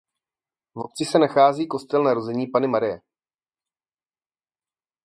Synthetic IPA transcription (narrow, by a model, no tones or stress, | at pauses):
vo̞t̪t͡sɪsɛnaxaːziːko̞st̪ɛlnaɾozɛɲiːpanɪmaɾɪjɛ̰